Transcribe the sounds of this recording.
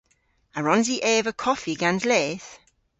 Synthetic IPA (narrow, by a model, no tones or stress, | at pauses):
aɹɔnziʔɛːvəkʰɔfiɡanzlɛːθ